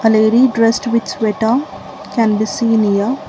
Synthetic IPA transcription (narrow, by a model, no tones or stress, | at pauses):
ɐleːɾiɖɾɛsʈʋit͡ʃʋɛʈɐ | kæ̃nbisiːnijɐ